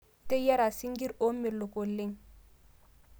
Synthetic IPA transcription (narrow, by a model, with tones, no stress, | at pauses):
te˦ja˦ɾa˨si˦ŋɡi˦ɾo˦mːi˨ɾlo˨ko˨lːi˦ŋ